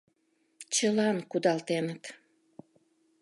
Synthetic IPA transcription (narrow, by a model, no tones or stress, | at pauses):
t͡ɕəlɑnkud̪ɑlt̪enət̪